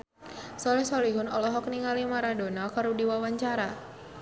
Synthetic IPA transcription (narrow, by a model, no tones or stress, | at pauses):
sɔlɛhsɔliɦʊnɔlɔɦɔkniŋalimaɾadonakaɾudiwawaɲt͡ʃaɾa